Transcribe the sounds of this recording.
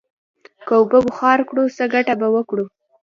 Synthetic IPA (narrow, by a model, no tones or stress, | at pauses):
kəʊbəbʊxɑɾkɽusəɡaʈabawəkɽu